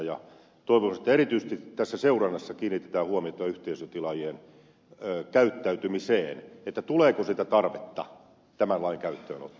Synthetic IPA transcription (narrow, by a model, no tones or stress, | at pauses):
jɑ | t̪oiʋosnet̪ːˑæerit̪yise̥st̪it̪æsːæseurɑnːɑsːɑkiːnːit̪ːet̪æːhuɑmiot̪ɑɑyht̪eisøt̪ilɑjien | økæyt̪ːæyt̪ymiseːnet̪ːæt̪uleːkosit̪æt̪ɑrʋet̪ːɑ̰ | t̪æmænlɑiŋkæyt̪ːøːno̰t̪ː